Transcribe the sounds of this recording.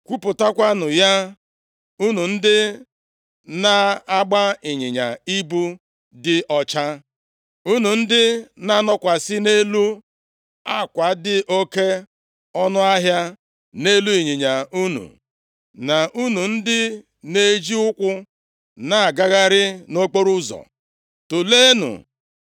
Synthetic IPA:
kʷu˦pʊ˨ta˦kʷa˦nʊ˨ja˦ | u˦nu˨n̩˦dɪ˦ | na˦a˦ɡ͡ba˦ɪ˨ɲɪ˨ɲa̰˨i˦bu˦ | dɪ˦ʔɔ˨t͡ʃa˦ | u˦nu˨n̩˦dɪ˦na˦nɔ˦kʷa˨sɪ˦ne˦lu˦ | a˦˨kʷa˨˦dɪ˨ʔo˦ke˦ | ɔ˦nʊ˦a˦ɦja˦ | ne˦lu˦i˨ɲɪ˨ɲa˨u˦nṵ˨ | na˨ʔu˦nu˨n̩˦dɪ˦ | ne˦d͡ʒi˦ʊ˦kʷʊ˦ | na˦˨ɡa˦ɣa˦ɾɪ˦no˦k͡po˦ɾu˦zɔ̰˨ | to˨le˦nṵ˨

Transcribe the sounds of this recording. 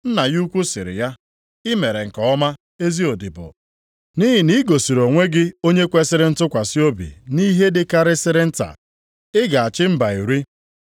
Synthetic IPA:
n̩˦na˨ju˦kʷu˦sɪ˨ɾɪ̰˨ja˦ | ɪ˦me˨ɾe˨ŋ̩˨kɔ˨ɔ˦ma˦ | e˦zi˦o˨dɪ˨bʊ̰˨ | ni˦ɦɪ˨ni˦ɡo˨si˨ɾo˨ŋʷe˦ɡɪ˦o˦ɲe˦kʷe˦sɪ˦ɾɪ˦n̩˦tʊ˦kʷa˨sɪ˦o˦bḭ˨ni˦ɦe˦dɪ˦ka˦ɾɪ˦sɪ˦ɾɪ˦n̩˦ta̰˨ | ɪ˦ɡa˨a˨t͡ʃɪ˦m̩˦ba˨i˨ɾi˦

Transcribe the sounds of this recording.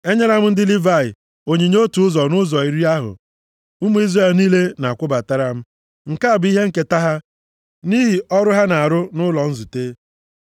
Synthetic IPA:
e˦ɲe˦ɾa˦m̩˦n̩˦dɪ˦li˦va˦˨ɪ˨ | o˨ɲe˨ɲo˦tu˨ʊ˦zɔ˨nʊ˦zɔ˨i˨ɾi˦a˦ɦʊ̰˨ | ʊ˦mu˦i˦zre˦˨lniː˦le˦na˨kʷʊ˦ba˨ta˦ɾa˨m̩˦ | ŋ̩˨ka˦a˨bi˦ɦe˦ŋ̩˦ke˦ta˦ɦa˦ | ni˦ɦi˨ɔ˦ɾʊ˦ɦa˦na˨a˨ɾʊ˦nʊ˦lɔ˨n̩˦zu˨teː˦

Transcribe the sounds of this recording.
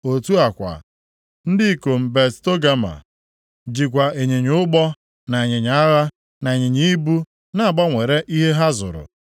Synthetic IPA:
o˨tu˦a˨kʷa̰˨ | n̩˦dɪ˦˨ko˨m̩˨be˨tto˦ɡa˦ma̰˨ | d͡ʒi˨k̬ʷa˨e˨ɲe˨ɲʊ˦ɡ͡bɔ˦ | na˨e˨ɲe˨ɲ˨a˦ɣa˦ | na˨ɲɪ˨ɲi˦i˦bu˦ | na˨a˨bɔ˦ŋʷe˨ɾe˦ʔi˦ɦe˦ɦa˦zʊ̰˨ɾʊ̰˨

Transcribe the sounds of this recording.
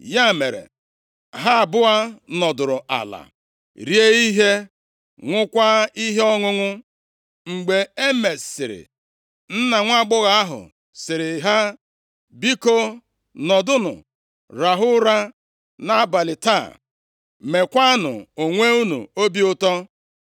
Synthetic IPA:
ja˦˨me˨ɾḛ˨ | ɦa˦˨bʊ˦a˦nɔ˨dʊ˨ɾʊ˨a̰˨la̰˨ | ɾje˦i˦ɦe˦ | ŋʷʊ˦kʷa˦i˦ɦe˦ɔ˦ŋʊ˦ŋʊ˦ | ŋ͡m̩˨ɡ͡be˨e˦me˨ssɪ̰˨ɾɪ̰˨ | n̩˦na˨ŋʷ˦a˦ɡ͡bʊ˦ɣa˨˦a˦ɦʊ̰˨ | sɪ˨ɾɪ˨ɦa˦ | bi˦ko˦ | nɔ˨dʊ˦nʊ̰˨ | ɾa˨ɦʊ˦ɾa˦ | na˦a˨ba˨lɪ˨ta˦˨ | me˨kʷa˦a˦nʊ̰˨o˨ŋʷe˦u˦nṵ˨o˦bi˦ʊ˦tɔ˦

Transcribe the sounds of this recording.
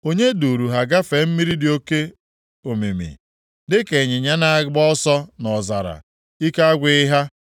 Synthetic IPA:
o˦ɲe˦du˨ɾu˨ɦa˨ɡa˦fe˨m̩˦mi˦ɾi˦dɪ˨o˦ke˦ | o˨mḭ˨mḭ˨ | dɪ˦ke˨ɲɪ˨ɲa˦na˨ɡ͡bɔ˦sɔ˦nɔ˨za̰˨ɾa̰˨ | i˦ka˦a˦ɡʷɪ˦ɪ˦ɦa˦

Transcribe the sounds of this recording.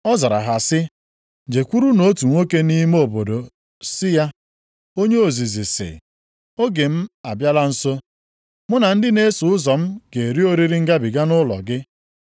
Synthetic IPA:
ɔ˦za˨ɾa̰˨ɦa˨sɪ˦ | d͡ʒe˨kʷu˦ɾu˦no˦tu˨ŋʷo˦ke˦ni˦m˦o˨bo˨do˨ | sɪ˦ja˦ | o˦ɲe˦o˨zi˨zi˨sɪ̰˨ | o˦ɡe˨m̩˦a˨bja˦la˦n̩˦so˦ | mʊ˦na˨n̩˦dɪ˦ne˦sʊ˨ʊ˦zɔ˨m̩˦ke˨ɾi˦o˦ɾi˦ɾi˦ŋ̩˦ɡa˦bɪ˨ɡa˦nʊ˦lɔ̰˨ɡɪ˦

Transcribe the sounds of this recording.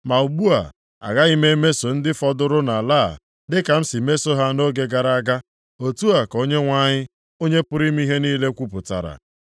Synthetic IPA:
ma˨u˨ɡ͡bu˦a̰˨ | a̰˨ɣa˦i˦me˦me˦so˨n̩˦dɪ˦fɔ˦dʊ˦ɾʊ˦na˨la̰ː˦˨ | dɪ˦ka˨m̩˦si˨me˦so˦ɦa˦no˦ɡe˦ɡa˨ɾa˦˨a˦ɡa˦ | o˨tu˦a˨ko˦ɲe˦ŋʷa˦ɲɪ˦ | o˦ɲe˦pʊ˦ɾi˦m˦i˦ɦe˦niː˦le˦kʷu˦pʊ˨ta̰˨ɾa̰˨

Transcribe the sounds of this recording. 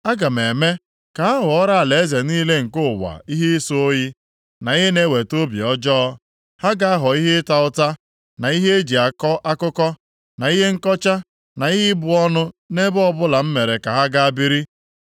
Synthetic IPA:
a˦ɡa˨m˨e˨me˦ | ka˨a˦ɦʊ˨ɔ˦ɾa˦a˨le˨˦ze˨niː˦le˦ŋ̩˨kʊ˦˨wa̰˨i˦ɦe˦so˦o˦ji˦ | na˨i˦ɦe˦ne˦˨we˨to˦bjɔ˦d͡ʒɔ˦ | ha˦ɡa˦a˦ɦɔ˨i˦ɦɪ˦ta˦ʊ˦ta˦ | na˨i˦ɦe˦e˦d͡ʒi˨a˨kɔ˦ʔa˦kʊ˦kɔ˦ | na˨i˦ɦe˦ŋ̩˦kɔ˦t͡ʃa˦ | na˨i˦ɦɪ˦bʊ˨ɔ˦nʊ˦ne˦bɔ˦bʊ˦la˨m̩˦me˨ɾe˨ka˨ɦa˦ɡa˦a˦bi˦ɾi˦

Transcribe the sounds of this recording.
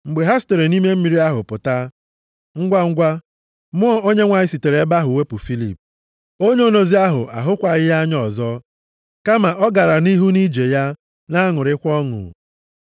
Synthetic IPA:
ŋ͡m̩˨ɡ͡be˨ɦa˦ste˨ɾe˨ni˦me˦m̩˦mi˨ɾi˦a˦ɦʊ˨pʊ˨ta˦ | ŋ̩˦ɡʷa˦ŋ̩˦ɡʷa˦ | mʊ˦ɔ˦o˦ɲe˦ŋʷa˨ɲɪ˦si˨te˨ɾe˨e˦ba˦ɦʊ˨we˦pʊ˨fi˦lḭ˨p̚ | o˦ɲ˦o˦no˨zi˦a˦ɦʊ̰˨ʔa̰˨ɦʊ˦kʷa˨ɣɪ˦ja˦ɲɔ˨zɔ˦ | ka˦ma˨ʔɔ˦ɡa˨ɾa˨ni˦ɦu˦ni˦d͡ʒe˨ja˦ | na˦ŋʊ˨ɾɪ˦kʷɔ˦ŋʊ̰˨

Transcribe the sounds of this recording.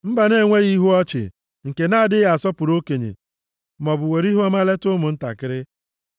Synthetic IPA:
m̩˦ba˨ne˦˨ŋʷe˦ɣi˦ɦu˦ɔ˦t͡ʃɪ̰˨ | ŋ̩˨ke˨na˦˨dɪ˦a˨sɔ˦pʊ˨ɾo˦ke˨ɲḛ˨ | mɔ˨bʊ˨we˨ɾi˦ɦu˦ɔ˦ma˦le˦tʊ˦mʊ˨n̩˦ta̰˨kɪ˦ɾɪ˦

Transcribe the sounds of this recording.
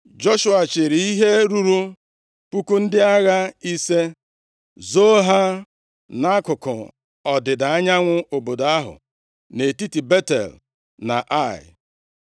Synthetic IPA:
d͡ʒo˦ʃʊ˦a˨t͡ʃɪ˨ɾi˨i˦ɦe˦ɾu˦ɾu˦ | pu˦ku˦n̩˦dɪ˦a˦ɣa˦i˦se˦ | zo˦ɦa˦ | na˦kʊ˨kʊ̰˨ | ɔ˨dɪ˨da˨a˦ɲa˦ŋʷʊ˦o˨bo˨da˦ɦʊ̰˨ | ne˨ti˦ti˨be˦tḛ˨l | na̰˨ʔa˦˨ɪ̰˨

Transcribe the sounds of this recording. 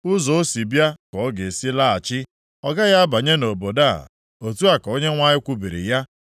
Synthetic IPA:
ʊ˦zɔ˨o˦si˨bja˦kɔ˨ɔ˦ɡe˨si˦la˦a˨t͡ʃɪ˦ | ɔ˦ɡa˦ɣa˦ba˨ɲe˦no˨bo˨da̰˦˨ | o˨tu˦a˨kɔ˨o˦ɲe˦ŋʷa˦ɲɪ˦kʷu˦bi˨ɾḭ˨ja˦

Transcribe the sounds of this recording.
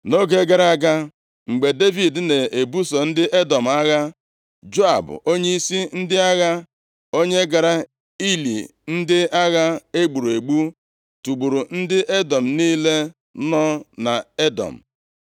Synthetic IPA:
no˦ɡe˦ɡa˨ɾa˦ɡa˦ | ŋ͡m̩˨ɡ͡be˨de˦vi˨dne˨e˨bu˦sɔ˨n̩˦dɪ˦ʔe˦dɔ˨m̩˨a˦ɣa˦ | d͡ʒo˦a˨bʊ̰˨ʔo˦ɲe˦i˦si˦n̩˦dɪ˦a˦ɣa˦ | o˦ɲe˦ɡa˨ɾa˦ | i˦lḭ˨n̩˦dɪ˦a˦ɣa˦e˦ɡ͡bu˨ɾu˨e˨ɡ͡bu˦ | tu˨ɡ͡bu˨ɾu˨n̩˦dɪ˦ʔe˦dɔ˨m̩˨niː˦le˦ | nɔ˦na˨e˦dɔ̰˨m̩˨

